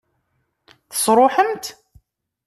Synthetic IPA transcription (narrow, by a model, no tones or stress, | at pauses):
θə̥sˤɾˤoħəmt̪